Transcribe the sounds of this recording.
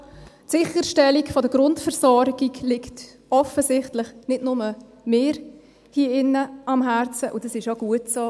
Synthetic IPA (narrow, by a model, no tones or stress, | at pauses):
tsɪχəɾʃtɛlikfɔdəɡɾʊntfəɾsɔɾɡiklɪkt | ɔfəsɪχtlɪχnɪdnʊmə | meːɾ | hiəɪnːəɑmɦæɾt͡səʔʊdɑsɪʃjoɡ̥uətsoː